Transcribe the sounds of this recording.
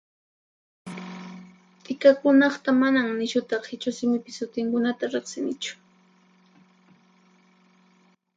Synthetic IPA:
t̪ɪkakʊnɑχt̪amanamnɪʃʊt̪ɑχhɪt͡ʃʊsɪmɪpɪsʊt̪ɪŋkʊnat̪aɾeχsɪnɪt͡ʃʊ̥

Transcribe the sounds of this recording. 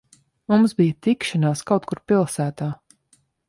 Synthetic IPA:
mumsbijat̪ikʃanaːskawt̪̚kuɾpilˠsæːt̪aː

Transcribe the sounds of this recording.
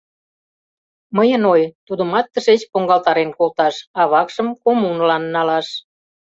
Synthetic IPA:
məjənojt̪ud̪əmɑt̪ːəʃet͡ɕpoŋɡɑlt̪ɑɾenkolt̪ɑʃɑβɑkʃəmkomunlɑnːɑlɑʃ

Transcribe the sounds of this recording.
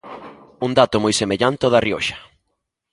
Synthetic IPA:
und̪at̪omojsemeʎant̪eoðɐrio̰ʃɐ̥

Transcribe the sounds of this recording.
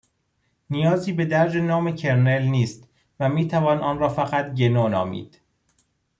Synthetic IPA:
nijɒːziːbe̞d̪æɾd͡ʒe̞nɒːme̞cʰe̞ɾne̞lniːst̪ | væmiːt̪ʰævɒːnʔɒːnɾɒːfæɣæt̪ɟenoːnɒ̰ːmḭːd̪̥

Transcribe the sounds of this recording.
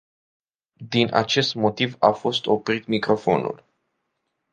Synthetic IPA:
d̪inʔa̰t͡ʃe̞st̪mo̞t̪ivafo̞st̪o̞pɾit̪mikɾo̞fo̞̰nṵl

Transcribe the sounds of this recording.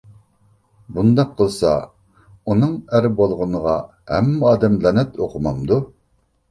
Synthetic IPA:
bund̪ɑqʰːəlˠsɑ̰ | unɨŋæɾbolˠʁʊnəʁɑ | hɛ̰mːɑːd̪ɛmlɛnɛt̪ʰoqʰʊmɑmd̪u

